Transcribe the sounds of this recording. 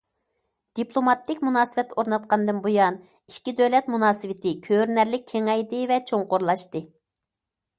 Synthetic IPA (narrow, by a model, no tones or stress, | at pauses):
d̪̥iplˠomɑt̪ʰːɪkʲmunɑːsɨvɛt̪ːoɾnɑt̪̚qɑnd̪ɨnbojɑn | iʃkʲid̪øwlɛt̪munɑːsɨvɪt̪ʰɪkʲʰøɾnæɾlɪk̚ʲʰeŋɛjd̪ɪvɛt͡ʃʰoŋqoɾlˠɑʃt̪ɨ